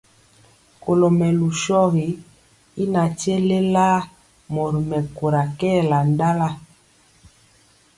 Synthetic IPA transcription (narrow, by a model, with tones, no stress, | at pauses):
ko˨lo˨mɛ˨lu˨ʃɔ˦ɣi˨˦ | i˦na˨ti˦e˦le˦la˦ | mo˨ɾi˨mɛ˨ku˨ɾa˨kɛ˦˨la˨n˦da˦la˦